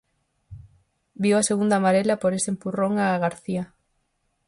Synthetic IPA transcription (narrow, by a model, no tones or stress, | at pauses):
biwaseɣund̪amaɾelapoɾesempuroŋaːɣaɾθia